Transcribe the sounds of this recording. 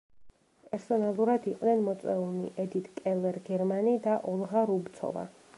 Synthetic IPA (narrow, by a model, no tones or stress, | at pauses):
pʼɛɾsɔnalˠuɾad̪iqʼnɛnmɔt̪sʼɛulˠnḭʔɛd̪it̪ʰʼkʼɛlɛɾɡɛɾmanid̪aʔɔlˠʁaɾubt̪sʰɔ̰va̰